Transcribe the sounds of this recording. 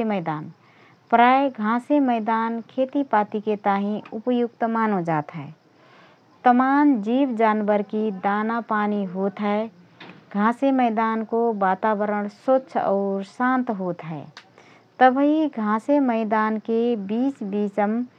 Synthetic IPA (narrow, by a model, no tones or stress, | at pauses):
eməɪd̪aːn | pɾaːjeɡʱãːseməɪd̪aːnkʰeːt̪ipaːt̪iket̪aːɦĩʊpjʊkt̪maːnɦod͡ʒaːt̪ɦɛː | t̪əmaːnd͡ʒiːbd͡ʒaːnbəɾkid̪aːnapaːniɦot̪ɦɛ | ɡʱãːseməɪd̪aːnkobaːt̪aːbəɾəɽ̃sətːʃʰɔ̰ːɾsãnt̪ɦoːt̪ɦɛ | t̪əbɦiɡʱãːseməɪd̪aːnkebiːsbiːsəm